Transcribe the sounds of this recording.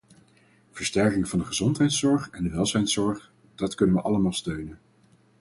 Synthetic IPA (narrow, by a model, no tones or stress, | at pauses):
v̥əɹstɛɹkɪŋvɑndəχəzɔntɦɛjtsɔɹχɛndəʋɛlˠzɛjntsɔɹχ | d̥ɑtkɵnənʋəʔɑləmaːlˠstøɥnən